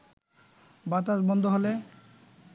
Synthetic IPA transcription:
bat̪̬aʃbɔnd̪ʱoɦole

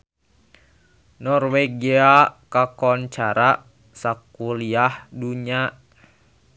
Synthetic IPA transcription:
nɔrweɡiakakɔnt͡ʃaɾa | sakuliahduɲa

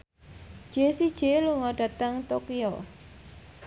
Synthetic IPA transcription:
ʒ̥esid̥ʒ̥eluŋɔɖ̥ä̤t̪əŋt̪okiɔ

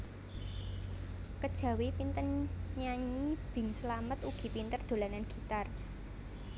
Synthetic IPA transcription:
kəd̥ʒ̥ä̤wepint̪ənɲaɲib̥ɪ̤ŋsəlamət̪uɡ̥i̤pint̪ərd̪̥o̤lananɡ̥i̤t̪ar

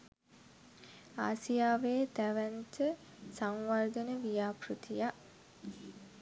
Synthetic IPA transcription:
aːsijaːʋeːt̪æʋænt͡ʃə | saŋʋard̪ənəʋijaːpɾut̪ʰijaʔ

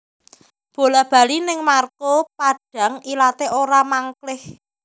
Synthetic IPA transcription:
b̥o̤lab̥a̤linɪŋmarkopaɖ̥a̤ŋilat̪eʔoɾamaŋklɪh

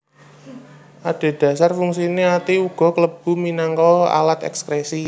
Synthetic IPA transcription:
ʔaɖ̥e̤d̥ä̤sarfuŋsineat̪iuɡ̥ɔ̤kələb̥ṳminaŋkɔa̰lat̪ɛ̰kskɾesi

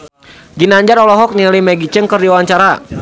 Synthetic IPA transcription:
ɡinaɲd͡ʒaɾɔlɔɦɔk̚nilimɛɡit͡ʃəŋkərdiwaɲt͡ʃaɾa

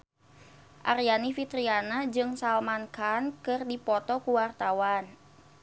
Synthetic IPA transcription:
ʔarjanifit̪ɾianad͡ʒɨŋsalmankʰankɨrdipɔt̪ɔkuwart̪awan

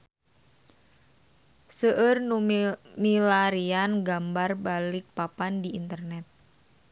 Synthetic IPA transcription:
səʔərnumilaɾianɡambarbalik̚papandiint̪ərnɛt̪̚

